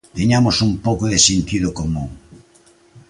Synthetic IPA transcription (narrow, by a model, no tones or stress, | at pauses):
t̪eɲamʊsumpowkoðɪsent̪iðʊkomũŋ